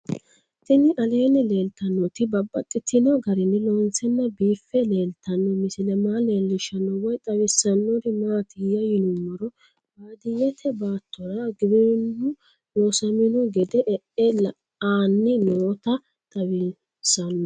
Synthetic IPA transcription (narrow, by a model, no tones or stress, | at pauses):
t̪ɪnɪʔɐle̞ːnɛle̞ːlt̪ɐnːɔt̪ɪbɐbːɐt̪ʼːɪt̪ʰːɪnɔɡɐɾɪnːɪlɔːnt͡sɛnːɐbiːfːɛleːlt̪ʰɐnːɔmɪsɪlɛmaːleːlːɪʃɐnːɔwɔjt̪ʼɐwɪsɐnːɔɾɪmaːt̪ɪjɐjɪnʊmɔɾɔ | baːd̪ɪjɛt̪ʰɛbaːt̪ʰːɔɾɐɡɪbɪnːʊ | loːsɐmɪnʊɡɛd̪ɛʔɛʔɛl | aːnːɪnoːt̪ɐ | t̪ʼɐwɪ | sɐnːɔ